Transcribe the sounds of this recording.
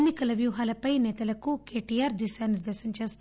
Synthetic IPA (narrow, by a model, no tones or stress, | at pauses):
nːikɐlɐʋjuːɦaːlɐpɐjnɛːt̪ɐlɐkukeːʈiːjaːɾd̪iʃaːniɾd̪eːʃɐɲt͡ʃeːst̪